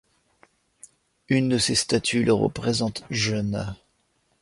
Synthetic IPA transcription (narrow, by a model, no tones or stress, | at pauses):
ynd̪əsest̪at̪ʰylʔəʁə̰pχezɑ̃t̪ʒœn